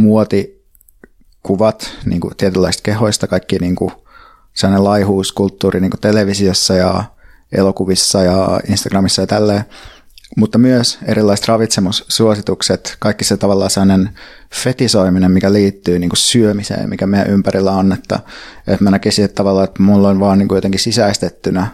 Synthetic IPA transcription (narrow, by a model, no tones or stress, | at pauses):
muot̪i | kuʋɑt̪nḭːŋkṵt̪iet̪ylːæˑist̪̚keɦoist̪ɑkɑikːiniːŋku | selːɑnelɑihuːskult̪ːuːriniːŋkut̪eleʋisiosːɑjɑ̰ | ʔḛlokuʋisːɑjɑinst̪ɑɡ̥rɑmisːɑjɑt̪ælːeː | mut̪ːɑmyøseɾilːɑist̪rɑʋit̪semussːuosit̪ukset̪kɑikːiset̪ɑʋɑlːɑːselːɑnen | fet̪isoiminemmikæliːt̪ːyːniːŋkussyømisḛːmmikæmeæʔympærilːæonːet̪ːæ̰ḛt̪mænækisiet̪t̪ːɑʋɑlːɑːet̪mulːonʋɑːnniːŋkujot̪eŋkisisæist̪et̪ːynæ